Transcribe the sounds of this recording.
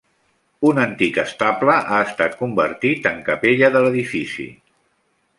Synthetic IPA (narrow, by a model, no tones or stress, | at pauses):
unənt̪ikəst̪apləʔaəst̪at̪̚kumbə̰ɾt̪it̪əŋkəpeʎəðələðifisḭ